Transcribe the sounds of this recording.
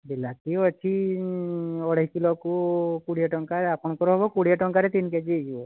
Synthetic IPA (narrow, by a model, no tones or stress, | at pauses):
bilat̪iɔt͡ʃʰi | ɔɽeɦikilɔkukuɽijaʈɔŋkaɾapʰɔɽ̃ɔkɔɾɔɦɔbɔkuɽijaʈɔŋkaɾet̪inked͡ʒid͡ʒiɔ